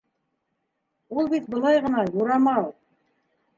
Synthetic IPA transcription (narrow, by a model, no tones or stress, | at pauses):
ulˠbit̪̚bɤ̆lˠɑjʁɤ̆nɑjuɾɑmɑ